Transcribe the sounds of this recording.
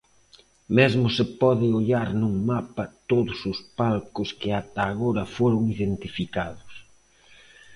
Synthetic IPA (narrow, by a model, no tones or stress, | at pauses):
mezmʊsɪpɔðɪoʎaɾnuŋmapɐt̪oðʊsʊspalkʊskɪat̪aːɣoɾɐfoɾʊŋiðent̪ifikaðʊs